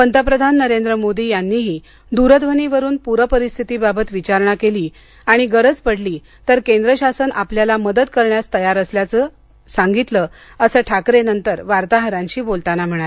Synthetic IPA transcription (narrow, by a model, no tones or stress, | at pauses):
pənt̪ʰəpɾəd̪ʱanːəɾend̪ɾəmod̪iːjanːiːɦiː | d̪uɾəd̪ʋəniʋəɾuːnpuɾəpəɾist̪ʰit̪iːbabət̪ʋit͡ɕaɾɳakeliː | aɽ̃iɡəɾəd͡zpəɽliː | t̪əɾkẽnd̪ɾəɕasənʔapljalaməd̪əd̪kəɾɳjast̪əjaɾəsljat͡səː | saŋɡit̪ləː | əsəːʈʰakɾenənt̪əɾʋaɾt̪aɦəɾãɲt͡ɕiːbolt̪anam̤əɽ̃ae